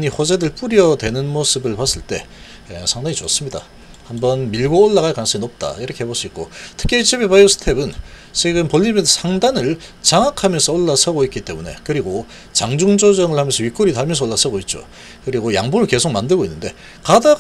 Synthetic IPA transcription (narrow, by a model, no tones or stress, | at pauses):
ɲiɸod͡ʑedɯɭp͈uɾjʌdwe̞nɯnmos͈ɯbɯɭpas͈ɯɭt͈e̞̰ | esʰaŋdaɲit͡ɕos͈ɯmɲida̰ | hambʌnmiɭɡoːɭːaɣaɭkwans͈ʌŋinʌp̚t͈a̰iɾʌkʰe̞heboɭs͈uit̚k͈otʰɯ̥kʰeit͡ɕʰebipajosʰɯ̥tʰe̞bɯnt͡ɕʰweɡɯnpoʎːimjensʰaŋdanɯɭt͡ɕaŋakʰamjʌnsʰʌoɭːasʰʌɡoit̚k͈it͈e̞mune̞kɯɾiɡo | t͡ɕaŋd͡ʑuŋd͡ʑʌd͡ʑʌŋɯɭhamjʌnsʰʌɥik͈oɾitaɭmjʌns̬ʰʌoɭːasʰʌɡoit̚t͡ɕ͈o̰ | kɯɾiɡoja̰ŋbumɯɭke̞sʰok̚mandɯɭɡoinːɯnde̞ | kada